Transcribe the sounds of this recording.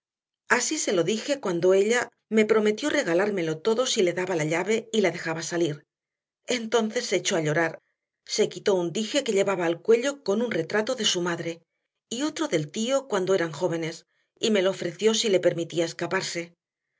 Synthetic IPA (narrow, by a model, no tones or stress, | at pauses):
asise̞lo̞ðixe̞kwand̪o̞e̞ʎa | me̞pɾo̞me̞t̪jo̞re̞ɣ̞alaɾme̞lo̞t̪o̞ðo̞sile̞ðaβalaʎaβe̞ilaðe̞xaβasaliɾ | e̞nt̪o̞n̟θe̞sːeːt͡ʃo̞aʎo̞ɾaɾ | se̞kit̪o̞und̪ixe̞ke̞ʎe̞βaβaːlkwe̞ʎo̞ko̞nunre̞t̪ɾat̪o̞ðe̞sumaðɾe̞ | io̞t̪ɾo̞ðe̞lt̪io̞kwand̪oe̞ɾaŋxo̞βe̞ne̞s | ime̞loːfɾe̞θjo̞sile̞pe̞ɾmit̪iae̞skapaɾse̞